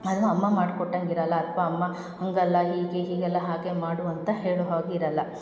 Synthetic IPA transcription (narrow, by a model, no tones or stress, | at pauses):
ɐd̪ɐnːuɐmːɐmaːɖkɔʈːɐŋɡiɾɐlːɐːt̪ʰʋɐːmːɐ | hɐŋɡɐlːɐɦiːɡe̞ɦiːɡɛlːɐɦaːɡe̞maːɽuɐnt̪ɐhe̞ːɭuɦaːɡeiɾɐlːɐ